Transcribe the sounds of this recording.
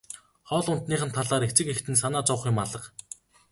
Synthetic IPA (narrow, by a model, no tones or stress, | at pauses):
χɔːɮʊn̥t̪niːχə̆nt̪ʰːaɮaːɾext͡sɘ̆kext̪ɘ̆ns̬anaːt͡sʊwχjʊmaɮə̆q